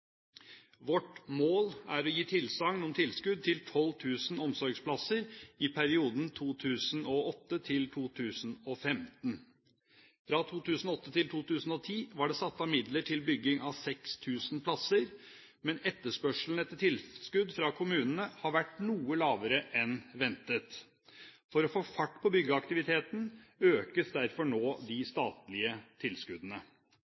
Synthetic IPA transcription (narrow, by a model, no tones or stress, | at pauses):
ʋɔʈmoːlæɾɔjiːt̪ʰɪlsɑŋnɔmt̪ʰɪlskʉd̪̚t̪ʰɪlt̪ʰɔlːt̪ʰʉːsn̩ɔmsɔɾɡspʰlɑsəɾɪpʰæɾɪuːd̪n̩t̪ʰuːt̪ʰʉːsn̩ɔɔt̪ːət̪ʰɪlt̪ʰuːt̪ʰʉːsn̩ɔfɛmt̪n | fɾɑt̪ʰuːt̪ʰʉːsn̩ɔɔt̪ːət̪ɪlt̪ʰuːt̪ʰʉːsn̩ɔt̪ʰiːʋɑɖɛːsɑt̪ːɑmɪd̪ləʈʰɪlbʏɡːɪŋɑʋsɛkst̪ʰʉːsn̩pʰlɑsəɾ | mɛnɛt̪ːəʂpœʂl̩n̩ɛt̪ːət̪ʰɪlskʉd̪fɾɑkʰʊmʉːnənəhɑɾʋæʈːnuːəlɑːʋəɾəʔɛnʋɛnt̪ət̪ | fɔɾɔfoːfɑʈːpʰɔbʏɡəɑkt̪ɪʋɪt̪ʰeːt̪n̩øːkəsd̪æɾfɔɳoːd̪ɪst̪ɑːt̪lɪət̪ʰɪlskʉd̪ənə